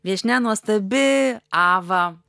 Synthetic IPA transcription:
ʋʲiɛʃʲnʲɛnuɔst̪ɐbʲɪɑːʋɐ

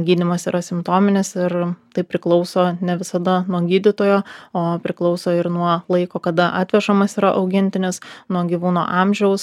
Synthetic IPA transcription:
ɡʲiːd̪ʲɪmɐsiːɾɐsʲɪmt̪oːmʲɪnʲɪsɪɾt̪ɐɪpʲɾʲɪklˠɒʊsoːnʲɛʋʲɪsɐd̪ɐnuɔɡʲiːd̪ʲɪt̪oːjoːoːpʲɾʲɪklˠɒʊsoːɪɾnuɔlˠɐɪkoːkɐd̪ɐʔɑːt̪ʲʋʲɛʃɐmɐsiːɾɐʔɐʊɡʲɪnʲt̪ʲɪnʲɪsnuɔɡʲiʋuːno̰ːʔɑmʲʒʲɛʊs

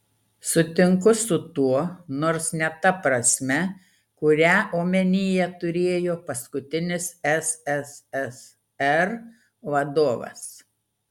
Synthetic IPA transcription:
sʊt̪ʲɪŋkʊsʊt̪uɔnoːɾsnʲɛt̪ɐpɾɐsʲmʲɛ | kʊɾʲæːʔoːmʲɛnʲiːjɛt̪ʊɾʲeːjoːpɐskʊt̪ʲɪnʲɪsɛsɛsɛs | ɛɾ | ʋɐd̪oːʋɐ̰s

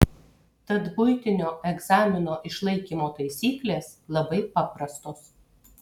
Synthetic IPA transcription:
t̪ɐt̪bʊɪt̪ʲɪnʲoːɛɡzɑːmʲɪnoːʔɪʃlˠɐɪkʲiːmoːt̪ɐɪsʲiːklʲeːslˠɐbɐɪpɑːpɾɐst̪oːs

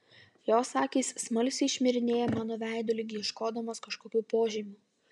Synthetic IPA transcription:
joːsɑːkʲiːssmɐlʲsʲɪɪʃʲmʲɪɾʲɪnʲeːjɛmɑːnoːʋʲæˑɪd̪oːlʲɪɡʲɪɪʃkoːd̪ɐmɐːskɐʃkoːkʲuːpoːʒʲimʲuː

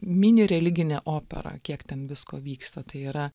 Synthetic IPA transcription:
mʲɪnʲɪɾʲɛlʲɪɡʲɪnʲɛʔoːpʲɛ̰ɾɐ̰kʲiɛkt̪ʲɛnʋʲɪskoːʋʲiːkst̪ɐt̪ɐɪiːɾɐ

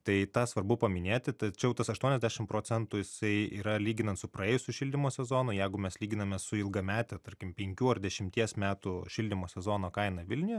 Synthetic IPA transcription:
t̪ɐɪt̪ɑːsʋɐrbʊpɐmʲɪnʲeːt̪ʲɪt̪ɐt͡ʃʲɛʊt̪ɐsɐʃt̪uɔnʲɛzd̪ʲæːʃʲɪmpɾoːt͡sʲɛnt̪ʊːjɪsɐɪḭːɾɐlʲiːɡʲɪnɐnt̪sʊpɾɐeːjʊsʲʊʃʲɪlʲd̪ʲɪmoːsʲɛzoːnʊjɛɪɡʊmʲɛslʲiːɡʲɪnɐmʲɛsʊɪlˠɡɐmʲæːt̪ʲɛt̪ɐɾʲkʲɪmpʲɛŋʲkʲuːɐrd̪ʲɛʃʲɪmʲt̪ʲiɛsmʲæːt̪uʃʲɪlʲd̪ʲɪmoːsʲɛzoːnoːkɐɪnɐʋʲɪlʲnʲɪjɛ

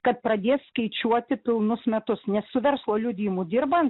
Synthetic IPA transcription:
kɐt̪̚pɾɐd̪ʲeːsːkɐɪt͡ʃʲuɔt̪ʲɪpʲɪlˠnʊsmʲɛt̪ʊsnʲɛssʊʋʲɛɾslˠoːlʲʊd̪ʲiːmuːd̪ʲɪɾbɐnt̪

